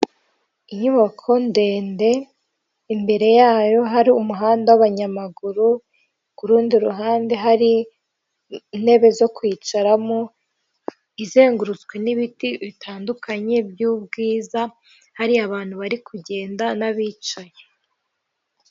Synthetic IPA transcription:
iɲuβakʰo̞nde̞ːnde̞ | imbe̞ɾe̞jaːjo̞ɦaɾiumuɦaːndawaβaɲamaɡuɾu | kuɾuːndiɾuɦaːnde̞ɦaɾi | ne̞βe̞zo̞kwiːt͡ʃaɾamo | ize̞ːŋɡuɾuzɡwe̞niβitiβitʰaːndukʰaɲe̞bjuːb̚ɡiːza | haɾiaβaːn̥huβaɾikʰuɟe̞ːndanaβiːt͡ʃaje

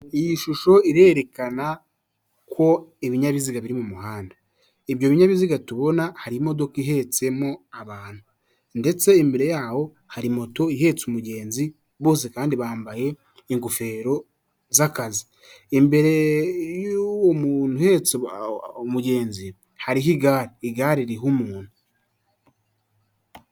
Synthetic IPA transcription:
ijiʃuʃo̞iɾe̞ːɾe̞kana | kwo̞iβiɲaβiziɡaβiɾimumuɦaːnda | iβjo̞ːβiɲaβiziɡatuβo̞nahaɾimo̞do̞kiɦe̞t͡se̞mo̞aβaːn̥hu | nde̞t͡se̞imbe̞ɾe̞jaːho̞ | haɾimo̞to̞iɦe̞t͡sumuɟe̞ːnzi | βo̞ːs̬ikaːndiβaːmbaje̞ | iŋɡufe̞ɾo̞ | zakazi | embe̞ɾe̞joomunuhet͡s | omuɟe̞ːnzi | haɾiɦiɡaːɾiiɡaːɾiɾiɦumuːnu

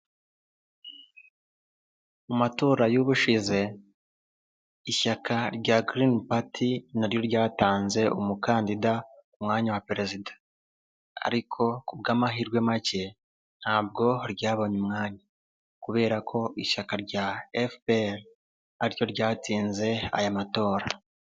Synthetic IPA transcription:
umatoːɾajuβuʃize̞ | iʃakʰaɾɟaɡɾinpatʰinaɾjo̞ɾɟaːtaːnze̞umukaːndidaumŋaːɲawapeɾe̞zidḁ | a̰ɾikʰo̞kubɡaːmaɦiɾɡwe̞mace̞ | n̥haːb̚ɡo̞ɾɟaːβoɲumŋaːɲa | kuβe̞ːɾakʰo̞iʃakaɾɟaefbeɾ | ajo̞ɾɟaːtiːnze̞a̰jamato̞ːɾa

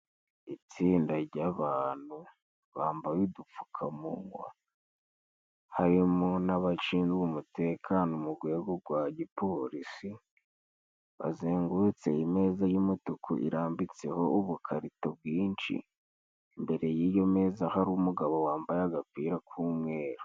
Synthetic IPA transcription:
it͡siːndaɾɟaβaːn̥hu | βaːmbajidufu̥kʰamuŋɡwa̰ | haɾimonaβat͡ʃiːnzwumute̞kʰanomuɡwe̞ːɡoɡwaɟipʰo̞ɾisi | βa̰zeːŋɡut͡se̞̰ime̞ːzajumutukʰṵʔḭɾaːmbit͡se̞ho̞uβukʰaɾitob̚ɡiːnʃḭ | mbe̞ɾe̞jiːjo̞me̞ːzahaɾumuɡaβowaːmbajaɡapiːɾakʰuːmŋe̞ːɾo

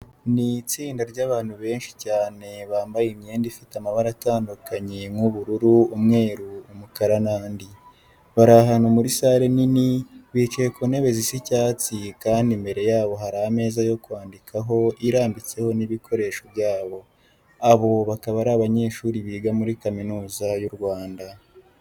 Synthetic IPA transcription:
nit͡siːndaɾɟaːβaːn̥huβe̞ːnʃi̥caːne̞βaːmbajimɲe̞ːndifitamaβaɾataːndukaɲe̞mŋuβuɾuɾuumŋe̞ːɾuːmukaɾanaːndi | βaɾaɦanomuɾisaːɾe̞niniβiːt͡ʃeekone̞βe̞zisicaːt͡sikaːndimbe̞ɾe̞jaːβo̞ɦaɾaːme̞ːzajo̞kwaːndikʰaɦo̞ʔiɾaːmbit͡se̞ho̞niβikʰo̞ɾe̞ːʃo̞βjaːβo̞ | aβo̞βakaβaɾaβaɲe̞ːʃuːɾiβiːɡamuɾikaminuːzajuɾɡwaːnda

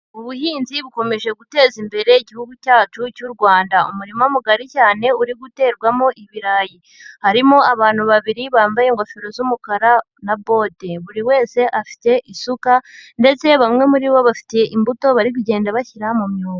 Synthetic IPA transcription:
uβuɦiːnziβuko̞me̞ʒe̞ɡute̞ːzimbe̞ɾe̞iɟihuɡucaːt͡ʃucuɾɡwaːndaṵmuɾimomuɡaɾicaːne̞uɾiɡute̞ːɾɡwamo̞ʔiβiɾaːji | haɾimoaβaːn̥huβaβiɾiβaːmbajeŋɡofiɾo̞zumukaɾa | nabo̞teβuɾiwe̞ːse̞ʔafi̥te̞ʔisukande̞t͡se̞βamŋe̞muɾiβo̞βafi̥te̞ʔimbuto̞βaɾik̬uɟe̞ːndaβaçiɾamumɲuːka

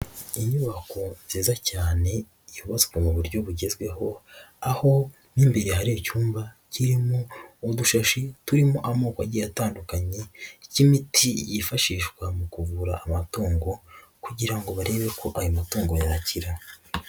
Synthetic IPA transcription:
iɲuβako̞ziːzacaːne̞ | juβat͡sɡwemuβuɾɟo̞βuɟe̞zɡwe̞ho̞aho̞ | niːmbe̞ɾe̞haɾijocuːmba | ciɾimoːduʃaʃituɾimoʔamoːkwaɟijataːndukaɲe̞cimitʰijifaʃiːʃkwamukuvuɾaʔːmatuːŋɡo̞kuɟiɾaŋɡo̞βaɾe̞βe̞kʰo̞ʔajomatuːŋɡo̞jaɾaciɾa

